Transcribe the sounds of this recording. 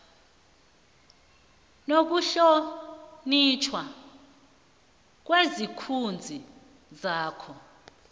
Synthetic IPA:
nok̬uɬonit͡ʃʰwa | k̬wezikʰund͡zʱi | zaːkʰɔ

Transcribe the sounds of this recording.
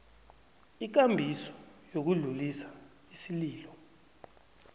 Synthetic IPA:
ik̬ambʱisɔ̥jok̬uɮulisḁ | isiliːlɔ

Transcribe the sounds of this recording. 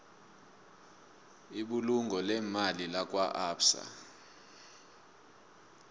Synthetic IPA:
iɓuluŋɡʱɔlɛmalilak̬waʔapsa̰

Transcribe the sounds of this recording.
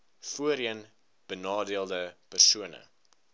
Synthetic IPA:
fuəɾiən | b̥ənɑːdiəlˠdəpərsuənə̰

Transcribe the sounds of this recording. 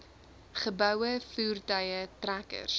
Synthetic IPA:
χəbɐwəfuːrdɐjətrækə̰rs

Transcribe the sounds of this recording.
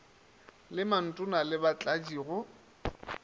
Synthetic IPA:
lɪman̩tʼʊnalɪbat͡ɬʼad͡ʒiːɣʊ

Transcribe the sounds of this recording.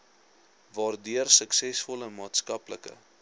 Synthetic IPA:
vɑːrdyərsəksɛsfɔləmɑːtskɐpləkə̰

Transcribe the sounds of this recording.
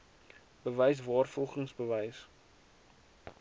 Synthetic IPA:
b̥əvəjs̬vɑːrfɔlˠχəŋsbəvəjs

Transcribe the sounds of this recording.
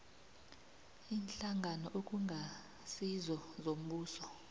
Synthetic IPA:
iːnɬaŋɡʱanɔʔokʼuŋʱa | sizɔzom̩ɓuːsɔ

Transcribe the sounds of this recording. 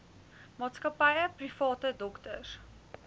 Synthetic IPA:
mɑːtskəpɛjəprifɑːtədɔktər

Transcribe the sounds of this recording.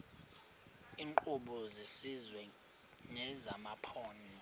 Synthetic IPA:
iːŋǃʼuɓɔzesizwɛ | ŋɛzamapʰɔːni

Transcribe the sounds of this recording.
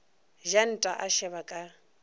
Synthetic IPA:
ʒan̩tʼaʔaʃɛβakʼa

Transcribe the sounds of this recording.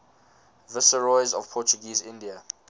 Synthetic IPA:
vɪsəɹɔɪzɔv̥pʰɔˑt͡ʃuɡiːzɪ̃ndiə

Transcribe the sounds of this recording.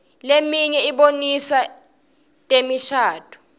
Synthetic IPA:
lemiɲɛiɓonisa | tʼemiʃaːtʰʼu̥

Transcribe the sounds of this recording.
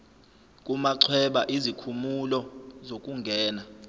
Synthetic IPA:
kʼumaǀʰwɛɓaʔizikʰumulɔzok̬ʼuŋɡʱɛːna

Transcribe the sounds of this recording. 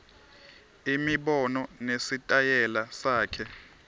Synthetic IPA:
imiɓɔnɔnesitʼajɛlasaːkʰɛ

